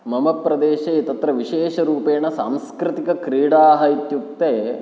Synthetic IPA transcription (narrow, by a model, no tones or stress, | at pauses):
mɐmɐpːɾɐd̪eːʃɐit̪ɐt̪ɾɐʋiʃeːʃɐɾuːpeːnɐsaːmskɾɪt̪ikɐkɾiːɽaːɦɐit̪juk̚t̪eː